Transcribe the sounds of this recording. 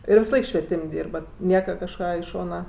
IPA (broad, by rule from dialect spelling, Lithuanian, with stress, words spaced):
ɪr ʋʲɪsɐˈlˠɐɪk ʃʲʋʲiɛˈtʲɪmʲ ˈdʲiːrbɐt ˈnʲiɛkɐ kɐʃˈkɑː ɪ ˈʃoːnɐ